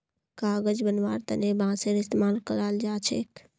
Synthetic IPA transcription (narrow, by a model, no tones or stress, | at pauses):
kaːɡəd͡ʒbənʋaːɾt̪ənebãseɾɪst̪emaːlkəɾald͡ʒaːt͡ʃʰḛk